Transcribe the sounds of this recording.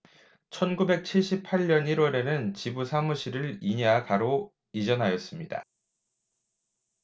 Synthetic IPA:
t͡ɕʰʌnɡube̞k̚t͡ɕʰiɭɕ͈ipʰaʎɲʌniɾwʌɾe̞nɯnt͡ɕibusʰamuɕʰiɾɯɭiɲakaɾo | id͡ʑʌnɦajʌs͈ɯmɲida̰

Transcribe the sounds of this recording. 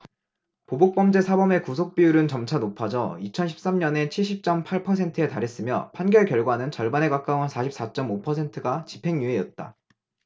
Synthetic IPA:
pobok̚p͈ʌmd͡ʑe̞sʰabʌme̞kus̬ʰok̚p͈ijuɾɯnt͡ɕʌmt͡ɕʰanopʰad͡ʑʌ̰it͡ɕʰʌnɕʰi̥p̚s͈amɲʌne̞t͡ɕʰiɭɕʰip̚t͡ɕ͈ʌmpʰaɭpʰʌsʰe̞ntʰɯe̞taɾes͈ɯmjʌpʰanɡjʌɭkjʌɭɡwanɯnt͡ɕʌɭbane̞kak͈awɯnsʰaɕʰip̚s͈at͡ɕ͈ʌmopʰʌsʰe̞ntʰɯɡat͡ɕipʰe̞ŋɲue̞jʌt̚t͈a̰

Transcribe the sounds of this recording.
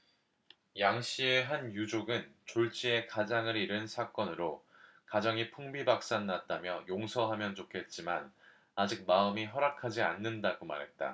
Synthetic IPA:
jaŋɕ͈ie̞ɦanjud͡ʑoɡɯnt͡ɕoɭt͡ɕ͈ie̞kad͡ʑaŋɯɾiɾɯnsʰak͈ʌnɯɾo | kad͡ʑʌŋipʰuŋbibak̚s͈anːat̚t͈amjʌjoŋsʰʌɦamjʌnt͡ɕokʰe̞t̚t͡ɕ͈iman | ad͡ʑik̚maɯmiɦʌɾakʰad͡ʑianːɯndaɡoma̰ɾɦe̞t̚t͈a̰

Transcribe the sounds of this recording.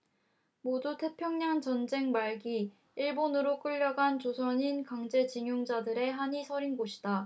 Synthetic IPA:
modutʰe̞pʰjʌŋɲaŋt͡ɕʌnd͡ʑe̞ŋmaɭɡi | iɭbonɯɾok͈ɯʎːʌɡant͡ɕosʰʌɲinkaŋd͡ʑe̞t͡ɕiŋjuŋd͡ʑadɯɾe̞ɦaɲisʰʌɾinɡoɕʰi̥da

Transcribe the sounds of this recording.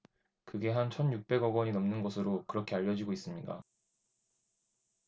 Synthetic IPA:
kɯɡe̞ɦant͡ɕʰʌnjuk̚p͈e̞ɡʌɡwʌɲinʌmnɯnɡʌsʰɯɾokɯɾʌkʰe̞aʎːʌd͡ʑiɡois͈ɯmɲik͈a̰

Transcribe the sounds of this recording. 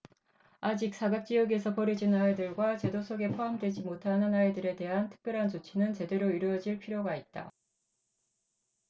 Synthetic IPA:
ad͡ʑik̚s͈ʰaɡak̚t͡ɕ͈iʌɡe̞sʰʌpʌɾid͡ʑinaedɯɭɡwat͡ɕe̞dosʰoɡe̞pʰoɦamdwe̞d͡ʑimotʰanɯnaedɯɾe̞te̞ɦantʰɯ̥k̚p͈jʌɾɦant͡ɕot͡ɕʰinɯnt͡ɕe̞de̞ɾoiɾʌd͡ʑiɭpʰiɾjoɡait̚t͈a̰

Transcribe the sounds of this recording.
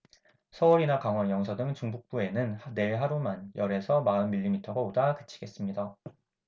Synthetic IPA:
sʰʌuɾinakaŋɦwʌnjʌŋsʰʌdɯŋt͡ɕuŋbuk̚p͈ue̞nɯnhne̞ɭɦaɾumanjʔʌɾe̞sʰʌmaɯnmiʎːimitʰʌɡaodakɯ̥t͡ɕʰi̥ɡ̥e̞s͈ɯmɲida

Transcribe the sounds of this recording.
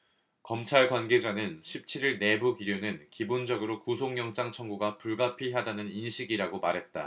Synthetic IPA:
kʌmt͡ɕʰaɭkwanɡe̞d͡ʑanɯnɕʰip̚t͡ɕʰiɾiɭne̞buɡiɾjonɯnkibond͡ʑʌɡɯɾokusʰoŋjʌŋt͡ɕ͈aŋt͡ɕʰʌŋɡuɡapuɭɡapʰiɦadanɯninɕʰiɡiɾaɡomaɾɦe̞t̚t͈a

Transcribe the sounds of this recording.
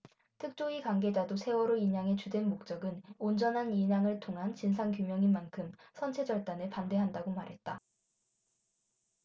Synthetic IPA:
tʰɯk̚t͡ɕ͈oikwaŋɡe̞d͡ʑadosʰe̞wʌɾoiɲaŋe̞t͡ɕudwe̞nmok̚t͡ɕ͈ʌɡɯnond͡ʑʌnɦaniɲaŋɯɭtʰoŋɦant͡ɕinsʰaŋkjumjʌŋinmːankʰɯmsʰʌnt͡ɕʰe̞d͡ʑʌɭt͈anɯpande̞ɦandaɡomaɾɦe̞t̚t͈a

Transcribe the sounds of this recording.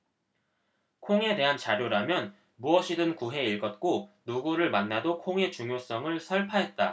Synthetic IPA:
kʰoŋe̞de̞ɦant͡ɕaɾjoɾamjʌn | muʌɕʰidɯnkuɦe̞iɭɡʌt̚k͈onuɡuɾɯɭmanːadokʰoŋe̞t͡ɕuŋjos͈ʌŋɯɭsʰʌɭpʰaɦe̞t̚t͈a̰

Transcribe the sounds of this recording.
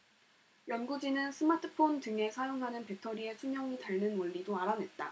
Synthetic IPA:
jʌnɡud͡ʑinɯnsʰɯmatʰɯ̥pʰontɯŋe̞sʰajoŋɦanɯnpe̞tʰʌɾie̞sʰuŋɲjʌŋitaɭnɯnoɭːidoaɾane̞t̚t͈a̰

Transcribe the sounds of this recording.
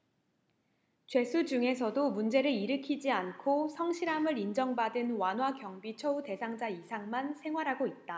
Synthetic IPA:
t͡ɕwe̞sʰud͡ʑuŋe̞s̬ʰʌdomund͡ʑe̞ɾɯɾiɾɯkʰid͡ʑiankʰosʰʌŋɕʰiɾamɯɾind͡ʑʌŋbadɯnwanɦwakjʌŋbit͡ɕʰʌute̞sʰaŋd͡ʑaisʰaŋmansʰe̞ŋɦwaɾɦaɡoit̚t͈a

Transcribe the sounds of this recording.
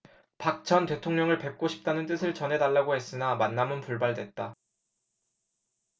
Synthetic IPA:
pak̚t͡ɕʰʌnte̞tʰoŋɲʌŋɯɭpe̞k̚k͈oɕʰi̥p̚t͈anɯnt͈ɯsʰɯɭt͡ɕʌnɦe̞daɭːaɡoɦe̞s͈ɯnamanːamɯnpuɭbaɭdwe̞t̚t͈a

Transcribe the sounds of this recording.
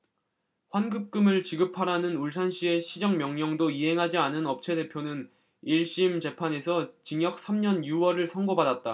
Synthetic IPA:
hwanɡɯp̚k͈ɯmɯɭt͡ɕiɡɯpʰaɾanɯnuɭsʰanɕ͈ʰie̞ɕʰid͡ʑʌŋmjʌŋɲʌŋdoiɦe̞ŋɦad͡ʑianɯnʌp̚t͡ɕʰe̞de̞pʰjonɯn | iɭɕ͈imt͡ɕe̞pʰane̞sʰʌt͡ɕiŋjʌk̚s͈ʰamɲʌnjuwʌɾɯɭsʰʌŋɡobadat̚t͈a

